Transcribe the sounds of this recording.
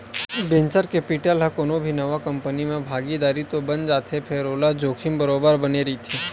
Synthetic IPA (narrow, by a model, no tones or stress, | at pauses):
bẽnt͡ʃəɾkepiʈəlɦɐkonobʱinɐʋakɐ̃mpənimẽbʱaːɡid̪aːɾit̪obɐnd͡ʒaːt̪ʰepʰeːɾoːlad͡ʒoːkʰɪmbəɾoːbəɾbɐneɾɐit̪ʰeː